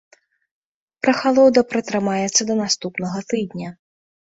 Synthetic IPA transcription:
pɾɐxalˠɔd̪ɐpɾɐt̪ɾɨmajɛt̪sːɐd̪ɐnast̪upnɐɣɐt̪ɨd̪nʲɐ

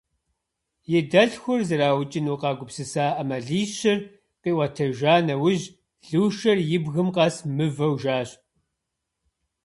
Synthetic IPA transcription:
jɪdɐɬxʷʊrzɐɾaːwt͡ʃʼɪnuːqɑːɡʷʊpsɨsaːʔɐmɐɮiːɕɪr | qiːwɐtʰɐʒaːnɐwʊʑ | ɮɨːʃɐrjɪbɣɨmqɑsmɨvɐwʒaːɕʼ

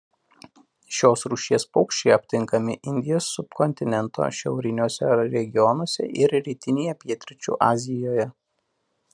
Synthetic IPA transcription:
ʃʲoːsɾuːʃʲiɛspɔʊkʃʲt͡ʃʲɛɪɐpʲt̪ʲɪŋkɐmʲɪʔɪnʲd̪ʲɪjoːsːʊpkɔnʲt̪ʲɪnʲɛnt̪o̰ʃʲɛʊɾʲɪnʲoːsʲɛɾʲɛɡʲɪjɔnoɔsʲɛ̰ʔɪɾɾʲiːt̪ʲɪnʲeːjɛpʲiɛt̪ʲɾʲɪt͡ʃʲṵːʔɑːzʲɪjoːjɛ

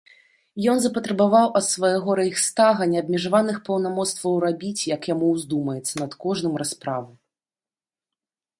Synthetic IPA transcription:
jɔnzɐpɐt̪ɾɐbavawʔɐt̪svajaɣɔɾɐjixst̪aɣɐnʲɛɐb̚ʲmʲɛʐavanɨxpɐwnamɔt̪st̪vɐwrabʲit͡sʲjɐkjamuwzd̪umɐjɛt̪sːɐnɐt̪kɔʐnɨmɾaspɾavɨ

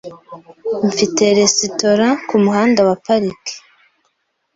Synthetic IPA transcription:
ɱfite̞ɾesitoɾakumuɦaːndawapaɾiki̥

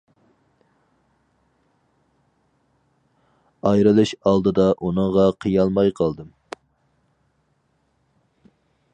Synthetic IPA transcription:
ɑjɾɨlˠɨʃɑlˠd̪ɨd̪ɑʔunɨŋʁɑqʰijɑlˠmɑjqʰɑlˠd̪ɨm

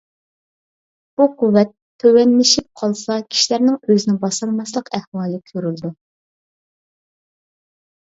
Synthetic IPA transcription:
b̥uqʰuwːɛt̪ʰːøwɛnmɪʃip̚qʰɑlˠsɑkʲʰi̥ʃilæɾnɪŋøzɪnɪŋbɑsɑlmɑslˠəqæhwɑːlˠɨkʲʰøɾyld̪u

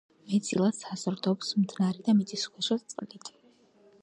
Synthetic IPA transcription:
mɛd̪z̥ʼḭlˠad̪sazɾd̪ɔpsmd̪naɾɛd̪amit̪sʰisχwɛʃɔt̪sʼqʼlit̪ʰ

